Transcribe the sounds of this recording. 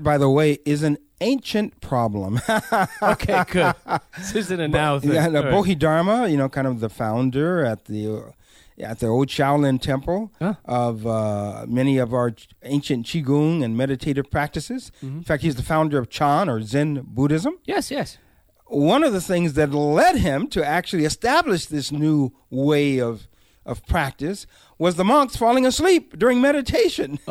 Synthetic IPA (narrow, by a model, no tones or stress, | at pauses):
b̥aɪðəweɪʔɪzɨ̃n | ẽɪ̃nʃɨ̃npʰɹ̥ɑblə̰̃mokʰeɡ̥ʊd̚sizɨ̃nɨnaʊæboʊɦidɑɹməjɨñoʊkʰãɪ̃ndʌvðəfãʊ̃ndə˞ɨt̪̚ði | ɨ̰t̪̚ðioʊlˠd̚ʃaʊlˠɪ̃ntʰɛ̃mpl̩ˠʔʌvʌmɛniʌvaʊə˞ẽɪ̃nʃɨ̃nt͡ʃʰiɡũŋɨ̃nmɛɾɨtʰeɪɾɨv̥pʰɹ̥æk̚tɨsɨz̥n̩fæk̚t̚hiʌzðɨfãʊ̃ndə˞ʌv̥t͡ʃʰɑ̃nə˞zɪ̃nbuɾɪzə̃mjɛsjɛs | wʌ̃nʌvðɨθɪ̃ŋzðɨtˡlɛd̚ɪ̃mtʰɨæk̚t͡ʃʉl̩ˠiɨstæblɨʃðɪsnu | weɪʌv | ʔʌv̥pʰɹ̥æk̚tɨs | wʌzðəmʌ̃ŋksfɔlˠɪ̃ŋəslip̚d̥ʊɹɪ̃ŋmɛɾɨtʰeɪʃɨ̃n